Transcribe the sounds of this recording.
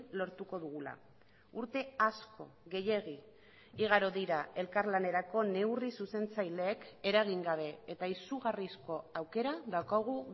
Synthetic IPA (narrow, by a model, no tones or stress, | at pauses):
lo̞ɾt̪uko̞ðuɣula̰ | uɾt̪e̞asko̞̰ɣe̞je̞ɣi | iɣ̞aɾoðiɾae̞lkaɾlane̞ɾako̞ne̞wrisuse̞nt͡sajle̞ːke̞ɾaɣ̞iŋɡaβ̞e̞et̪aisuɣ̞arisko̞awke̞ɾaðawkaɣ̞u